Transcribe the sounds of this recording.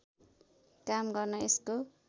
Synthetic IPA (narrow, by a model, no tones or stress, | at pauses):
kamɡʌrnʌesko